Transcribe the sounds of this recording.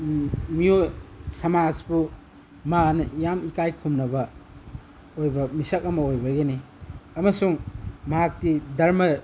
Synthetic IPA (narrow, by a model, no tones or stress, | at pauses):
mijojsɐmazbu | manɐjamikajkʰumnɐbɐ | ojbɐmisɐk̚ɐmɐojbɐɡeni | ɐmɐsuŋmɐɦak̚tidɐɾmɐ